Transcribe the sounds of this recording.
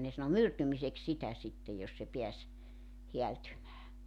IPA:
ne sɑno myrtymisek sitæ sitːej jos se piæs heæltymæː

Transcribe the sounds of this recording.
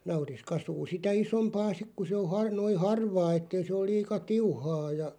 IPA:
nɑuris kɑsuː sitæ isompɑː sik ku se o hɑr noi hɑrʋɑː etːei se ol̆ liːkɑ tiuhɑː jɑ

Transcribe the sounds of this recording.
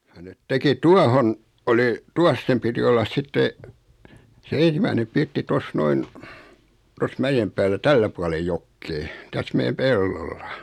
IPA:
jɑ net teki tuɑhon oli tuɑs sem piti olːɑs sitːe se en̞simæinem pirtːi tos noin tos mæjem pæːlːæ tælːæ puɑle jokːeː tæs mej̆æm pelːolːɑ

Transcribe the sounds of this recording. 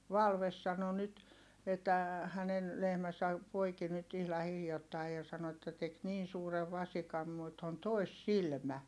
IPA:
ʋɑlʋes sɑno nyt etːæ hænen lehmæsæ poiki nyt ihlɑ hiljotːɑi jɑ sɑno etːæ tek niːn̞ suːreʋ ʋɑsikɑm mut on toˑisːilmæ

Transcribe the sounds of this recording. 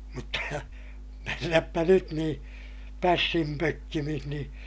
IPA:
mutːɑ menːæpːæ nyt nĩː pæsːim pøkːimih niː

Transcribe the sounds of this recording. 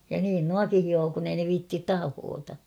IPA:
jɑ niːn nuɑki hioː kun ei ne ʋiːtːit tɑhoːtɑ

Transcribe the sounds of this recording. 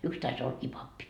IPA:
yks tɑis olːɑkiː pɑpːi

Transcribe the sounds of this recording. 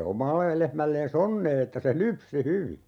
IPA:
omɑlːe lehmælːeːs onːeː etːæ se lypsi hyʋi

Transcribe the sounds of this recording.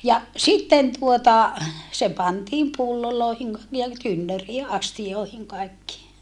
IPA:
jɑ sitːen tuotɑ se pɑntiːm pulːoloˑehiŋ niː jɑ tynːøriː ʔɑstijoˑehiŋ kɑekːiː

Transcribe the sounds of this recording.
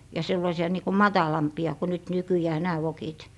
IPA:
jɑ selːɑisiɑ niːko mɑtɑlɑmpiɑ ko nyt nykyjæː næː ʋokit

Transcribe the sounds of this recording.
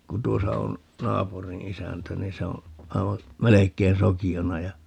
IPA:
ku tuosɑ on nɑːpurĩː isæntæ ni se õː ɑiʋɑ melekˑein sokionɑ jɑ

